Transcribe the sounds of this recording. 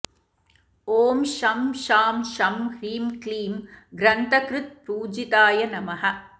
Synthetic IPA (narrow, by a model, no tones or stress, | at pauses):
oːmʃɐmʃaːmʃɐmhɾiːmkliːmɡɾɐnt̪ɐkɾɪt̪̚pɾuːd͡ʒit̪aːjɐnɐmɐɦɐ